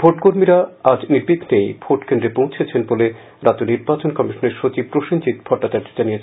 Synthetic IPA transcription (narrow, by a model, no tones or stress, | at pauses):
bʱoʈkoɾmiɾaad͡ʑniɾbiɡʰʱnejb̥ʱoʈkend̪ɾepõw̃t͡ɕʰet͡ɕʰenbole | ɾat̪oniɾbat͡ɕonkɔmiʃoneɾʃot͡ɕib̚pɾoʃont͡ɕit̪bʱɔʈːat͡ɕaɾd͡ʑʱod͡ʑanijet͡ɕʰn